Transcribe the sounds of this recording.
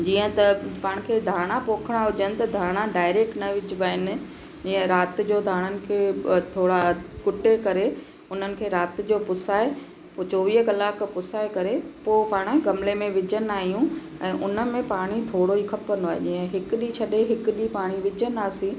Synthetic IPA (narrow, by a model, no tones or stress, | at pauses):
d͡ʑiːə̃t̪ɐpaːɽ̃ɪ̆kʰeːd̪ʱaːɽ̃apoːkʰəɽ̃aɦʊʄənɪ̆t̪ɐd̪ʱaːɽ̃aɖaːɪɾeːk̚ʈnɐʋɪd͡ʑɪʋaːɪnɪ̆ | d͡ʑiːə̃ɾaːt̪ɪ̆d͡ʑoːd̪ʱaːɽ̃ənɪ̆kʰeːt̪ʰoːɽakʊʈekɐɾe | ʊn̤ənɪ̆kʰeːɾaːt̪ɪ̆d͡ʑoːpʊsaːe | pot͡ɕoːʋiːɦkɐlaːkpʊsaːekɐɾepoːpaːɽ̃aɡɐmlemẽʋɪd͡ʑənaːɦijũ | ɛ̃ːʔʊnə̆mẽpaːɽ̃it̪ʰoːɽoikʰɐpənaːɦḛʄiːə̃ɦɪkʊɗit͡ɕʰɐɗeɦɪkʊɗipaːɽ̃iʋɪd͡ʑənaːsĩ